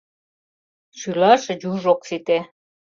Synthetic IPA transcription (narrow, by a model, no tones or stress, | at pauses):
ʃylɑʃɤ̆d͡ʑuʒoksit̪e